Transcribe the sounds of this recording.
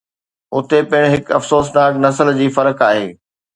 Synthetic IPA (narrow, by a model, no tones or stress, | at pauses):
ʊt̪epɪɪɽ̃ɦɪkɐfsoːs̬naːknɐsəld͡ʑiːfɐɾəkaːɦḛː